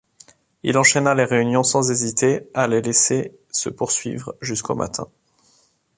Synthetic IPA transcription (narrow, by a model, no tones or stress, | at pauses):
ḭlɑ̃ʃɛnaleʁeynjɔ̃sɑ̃zezit̪ealelese | sə̰puʁsɥḭvʁʒysko̰ma̰t̪ʰɛ̰̃